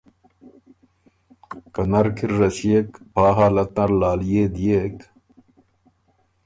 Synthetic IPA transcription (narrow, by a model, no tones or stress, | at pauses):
kɐnɐɾkʰiɾːɐsijekpaːɦaːlɐt̪nɐɾlaːljeːd̪ijek